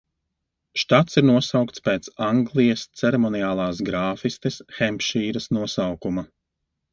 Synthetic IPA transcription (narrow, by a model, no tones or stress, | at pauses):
ʃt̪at̪siɾnuɔsawkt̪spɛːt̪saŋɡlˠijɐst̪sɛɾɛmɔnijaːlˠaːsɡɾaːfist̪ɛsxɛmpʃiːɾɐsnuɔsawkuma